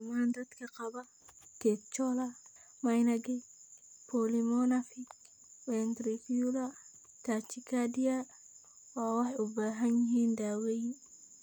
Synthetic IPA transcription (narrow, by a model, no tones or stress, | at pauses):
maːnd̪ɐd̪kʰɐqɐbɐ | t̪ʰɛt͡ʃɔlɐ | mɐjnɐɡɛpʰɔlimɔnɐfi | wɛnt̪ɾifiulɐ | t̪ʰat͡ʃikʰad̪ija | waːwɑħɑjʊbaːɦɐnjɪɦiːnd̪aːwɛjn